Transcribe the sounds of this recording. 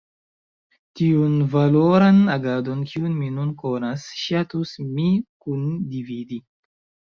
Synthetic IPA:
tiunvaloɾanaɡadonkʰiunminunkonasʃatusmikundividi

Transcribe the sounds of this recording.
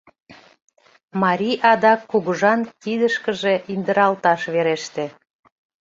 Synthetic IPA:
mɑɾʲiʔɑd̪ɑkːuɣuʒɑnkid̪əʃkəʒeʔind̪əɾɑlt̪ɑʃβeɾeʃt̪e

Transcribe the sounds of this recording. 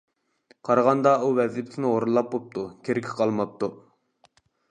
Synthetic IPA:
qʰɑɾɑʁɑnd̪ɑuvɛzipt̪ʰɪnɪoɾulˠːɑp̚bop̚t̪ʰukʲʰeɾɪkʲʰɪ̥qʰɑlˠmɑp̚t̪u

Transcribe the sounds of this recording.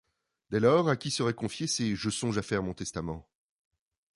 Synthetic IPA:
d̪ɛlɔːʁakʲisəʁɛkɔ̃fjeseʒəsɔ̃ʒafɛʁmɔ̃t̪ɛst̪amɑ̃

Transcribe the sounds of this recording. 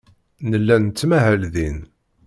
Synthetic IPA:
nəlːænt͡sːmæɦælðin

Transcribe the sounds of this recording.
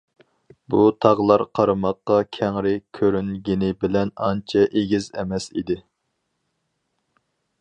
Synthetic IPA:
but̪ʰɑʁlˠɑɾqʰɑɾɨmɑqːɑkʲʰɛŋɾɪkʲʰøɾynɡʲinɪbɪlɛnɑnt͡ʃʰɛʔeɡʲizɛ̰mɛsḭd̪ɪ

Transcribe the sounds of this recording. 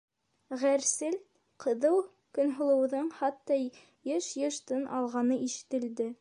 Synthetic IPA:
ʁæɾsɘl | qʰɤ̆ðɤw | kɵ̆nɦŏlˠɤ̆wðɤɴχɑt̪ːɑ | jɤʃjɤ̆ʃt̪ɤnʔɑlˠʁɑnɤʔiʃɘ̥̆t̪ɘ̆ld̪ɘ

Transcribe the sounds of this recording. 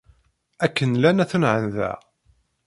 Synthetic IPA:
ækːənlænæθnʕənðæ̰

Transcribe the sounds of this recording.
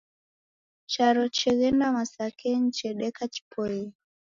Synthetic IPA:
t͡ʃaɾɔt͡ʃɛɣɛnamasakʰɛnt͡ʃɛɗɛkat͡ʃi̥pʰɔɛ

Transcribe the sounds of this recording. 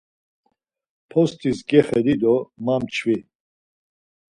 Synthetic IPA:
pʰɔst̪ʰʼisɡɛχɛd̪id̪ɔmamt͡ʃʰvi

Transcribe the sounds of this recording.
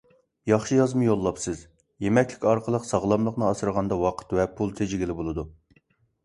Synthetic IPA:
jɑχʃɨjɑzmɨjolˠːɑpsɨz | jemɛkʲlɪkʲɑɾqʰəlˠəqsɑʁlˠɑmlˠəqnɨɑsɨɾʁɑnd̪ɑwɑqʰə̥t̪vɛpʰulˠt̪ʰed͡ʒɪɡʲilɪbolˠɨd̪u

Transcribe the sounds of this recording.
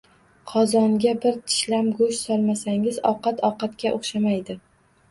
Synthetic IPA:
qʰɒzɒnɡʲabɪɾt̪ʰɪ̥ʃlamɡʊʃsɒlˠmasaŋɪzɒqɑt̪ʰɒqɑt̪kʲaʔoχʃamajd̪ɪ

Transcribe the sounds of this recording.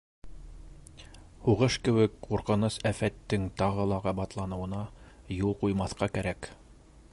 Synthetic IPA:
huʁɤʃkɘ̆wɘkquɾqɤ̆nɤsæfæt̪ːɘŋt̪ɑʁɤ̆lˠɑʁɑbɑt̪lˠɑnɤ̆wɤ̆nɑ | julˠqujmɑθqɑkæɾæk

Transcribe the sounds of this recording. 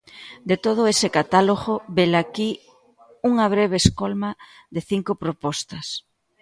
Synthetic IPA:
d̪et̪oð̞ʊesɪkat̪aloɣoβelaki | uŋɐβ̞ɾeβ̞eːskolmɐ | ðd̪eθiŋkʊpɾopɔst̪ɐs

